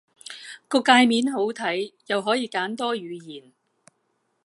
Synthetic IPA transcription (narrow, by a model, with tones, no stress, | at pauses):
kɔː˧kːaː˧jmiː˨˥nɦo˨˥wt̪ʰɐ˨˥jjɐ˨wɦɔː˨˥jiː˨˧kaː˨˥nt̪ɔː˥ɥyː˨˧jiː˨˩n